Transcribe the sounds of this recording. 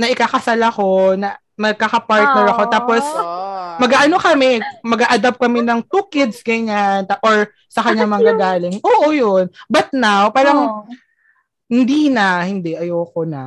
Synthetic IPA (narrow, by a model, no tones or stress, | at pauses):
nɐʔɪkaːkɐsalako̞nɐ | mɐɡ̚kakɐpaɹt̪̚nɛɹɐko̞t̪aːposmɐɡaːʔɐno̞kɐmɛmɐɡaʔɐd̪ab̚kɐmɛnɐŋt̪uːkɪd̪sɡɐɲant̪aʔoɹ | sɐkɐɲːaŋmɐŋɡaɡaːlɪŋʔoːʔojonbɐt̪̚nawpaːɾɐŋ | hɪnd̪iːnɐhɪnd̪ɛʔɐjoːkonɐ̰